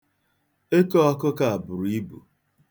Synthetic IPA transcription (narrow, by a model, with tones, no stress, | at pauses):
e˦kɔ˦ɔ˦kʊ˦ka˦˨a˨bʊ˨ɾu˨˦i˦bṵ˨